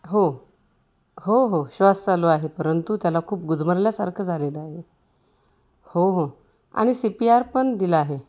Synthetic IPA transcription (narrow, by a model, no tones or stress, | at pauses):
ɦo | ɦoɦoɕʋast͡saloaɦepəɾənt̪ut̪jalakʰuːpɡud̪ʱməɾljasaɾkʰəd͡zʱaleləaɦe | hoɦo | a̰ɽ̃isipiaɾpəɳd̪iləaɦe